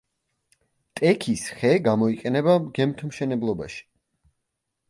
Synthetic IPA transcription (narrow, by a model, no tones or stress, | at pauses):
t̪ʼɛkʰisχɛɡamɔiqʼɛnɛbaɡɛmt̪ʰmʃɛnɛblˠɔba̰ʃi̥